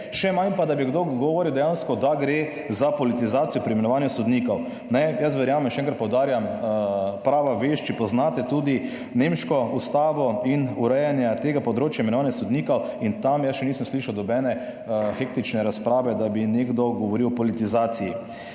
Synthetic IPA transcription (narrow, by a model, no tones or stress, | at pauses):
ʃɛmanpad̪abiɡd̪oɡɔʋɔːɾiwd̪ɛjanskɔd̪aɡɾe | zapɔlit̪izaːt̪sijɔpɾimɛnɔʋaːnjɛsɔd̪niːkɔw | nɛjɐs̬ʋɛɾjaːmɛmʃɛɛŋkɾt̪pɔwd̪aːɾjam | pɾaːʋaʋeːʃt͡ʃipɔznaːt̪ɛt̪uːd̪i | nemʃkɔust̪aːʋɔinuɾɛjanjat̪eɡapɔd̪ɾoːt͡ʃjaimɛnɔʋaːnjasɔd̪niːkɔwint̪amjasʃɛniːsəmsliːʃawd̪ɔbɛːnɛ | xekt̪it͡ʃnɛɾaspɾaːʋɛd̪abineɡd̪ɔɡɔʋɔɾiwɔpɔlit̪izaːt̪siji